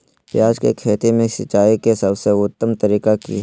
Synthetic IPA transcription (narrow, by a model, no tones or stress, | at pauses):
pjaːd͡ʒkḛkʰeːt̪imẽʃɪt͡ʃaːikesɐbseʊt̪ːəmt̪ɐɾiːkekḭ